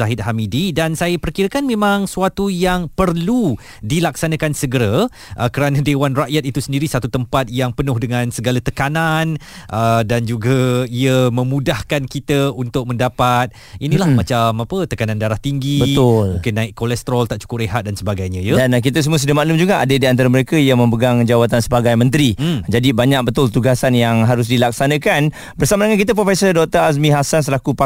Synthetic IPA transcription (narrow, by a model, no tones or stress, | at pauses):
aɦɪt̪̚ɦamididansajapərkiɾakanmẽmãŋsuwat̪ujaŋpərlu | dilaksanakansəɡəɾa | ʔəkəɾanadewanraʔjat̪̚it̪usəndiɾisat̪ut̪əmpat̪̚jaŋpənʊhdəŋãnsəɡalat̪əkananʔədand͡ʒuɡaiəmə̃mũdahkankit̪əunt̪ʊk̚mə̃ndapat̪̚ | inilahmat͡ʃamapət̪əkanãndaɾaht̪iŋɡibət̪ʊlmũkɪnːãɪkkolɛst̪əɾɔlt̪aʔt͡ʃu̥kʊp̚rɾeɦat̪̚dansəbaɡajɲəjadank̬it̪əs̬əmuəsudamaʔlʊmd͡ʒuɡaʔa̰dədiant̪aɾaməɾekəjamə̃mbəɡaŋd͡ʒawat̪ansəbaɡajmə̃nt̪ɾid͡ʒadibaɲak̚bət̪ʊlt̪uɡasanjaŋɦaɾʊs̬dilak̚sanə̃kan | bərsamadəŋankit̪̬əp̬ɾofɛsərdɔk̚t̪əɾas̬mĩɦasans̬əlakupa